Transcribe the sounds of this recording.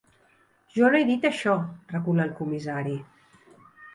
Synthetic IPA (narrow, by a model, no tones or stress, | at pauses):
ʒɔlɛjðit̪əʃɔrəkuləlˠkumizaɾi